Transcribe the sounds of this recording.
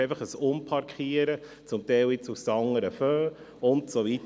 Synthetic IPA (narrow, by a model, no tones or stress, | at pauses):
eɪfɑχəsʊmpʰɑɾkχiːəɾə | t͡sʊmtɛɪlɪt͡sufsɑŋəɾəføː | ʊntsovit